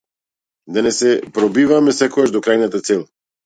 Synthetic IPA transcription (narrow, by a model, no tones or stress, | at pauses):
d̪anɛsɛpɾɔbivamɛsɛkɔɡaʒd̪ɔkɾajnat̪at̪sɛlˠ